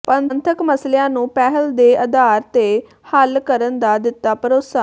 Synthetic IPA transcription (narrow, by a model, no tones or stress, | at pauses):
pənnt̪ʰəkməslejãːnũːpɛːɦəld̪eːʔəd̪aːɾt̪eː | həlkəɾənd̪aːd̪ɪt̪ːaːpəɾoːsaː